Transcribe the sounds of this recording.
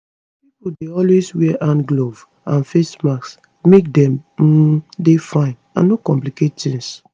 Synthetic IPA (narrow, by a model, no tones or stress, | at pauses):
pipudeɔlweswɛʔãnɡlov | ãnfesmaks | mek̚dɛ̃m̩ | defãɪ̃n | ã̰nːokɔ̃mpliket̚tĩŋs